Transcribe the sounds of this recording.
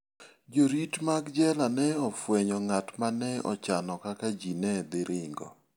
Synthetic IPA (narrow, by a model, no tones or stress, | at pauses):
d͡ʒoɾitmaɡd͡ʒɛlanɛɔfwɛɲɔŋatmanɛɔ̰t͡ʃanɔkakad͡ʒinɛd̪ɪɾʔɪŋɡɔ̰